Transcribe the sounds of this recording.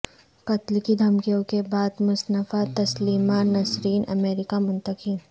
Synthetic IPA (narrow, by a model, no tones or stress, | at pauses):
kɐt̪lkid̪ʱɐmkijõkebaːd̪mʊsnəfat̪ɐsliːmanɐsɾiːnɐ̰meːɾɪkamʊ̃nt̪əkin